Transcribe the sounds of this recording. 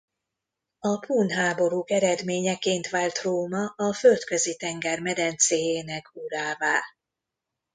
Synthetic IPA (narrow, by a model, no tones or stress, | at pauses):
ɒpuːnɦaːbo̞ɾuːkɛɾɛd̪meːɲɛkeːnt̪ʋaːlt̪roːmɒʔɒfølt̪kø̞zit̪ɛŋɡɛrmɛd̪ɛnt̪seːjeːnɛkʰuɾaːvaː